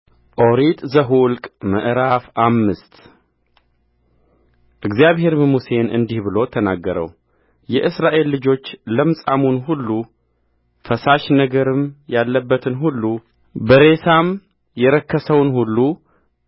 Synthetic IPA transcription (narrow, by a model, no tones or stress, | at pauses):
ʔo̞ɾit̪ʼzəɦulkʼməʔɾafamːɨst̪ | ʔɨɡzjaβhe̞ɾməmuse̞nɨ̰nd̪ihβɨlo̞t̪ʰənaɡːəɾə̰w | jɛʔɨsɾaʔe̞lːɨd͡ʒo̞t͡ʃːləmsʼamunɦulːu | fəsaʃnəɡəɾɨmjalːəbːət̪ʰɨnɦulːu | bəɾe̞sam | jɛɾəkʰːəsəwnhulːu